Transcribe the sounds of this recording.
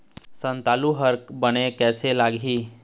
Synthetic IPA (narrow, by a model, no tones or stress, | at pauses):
sə̃nt̪aluɦəɾkbənekɛːselaɡʱɦiː